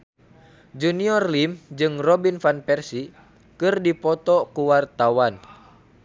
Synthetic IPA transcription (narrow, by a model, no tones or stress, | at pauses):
d͡ʒuniɔrlimd͡ʒɨŋrɔbinfanpɛrsi | kɨrdipɔt̪ɔkuwart̪awan